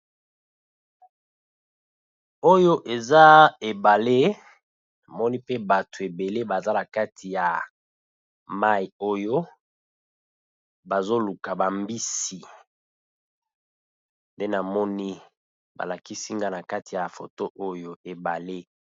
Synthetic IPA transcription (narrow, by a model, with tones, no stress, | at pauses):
o˦jo˦ʔe˨za˦e˨ba˨le˦ | na˨mɔ˦ni˦pe˦ba˨tu˨e˨be˨le˦ba˨za˦na˨ka˦tʰi˨ja˨ | ma˦i˨o˦jo˦ | ba˨zo˦lu˨ka˨ba˨mbi˦si˨ | nde˦na˨mɔ˦ni˦ | ba̰˨la˨ki˦si˦ŋɡa˦na˨ka˦ti˨ja˨fo̰˨to˦ʔo˦jo˦e˨ba˨le˦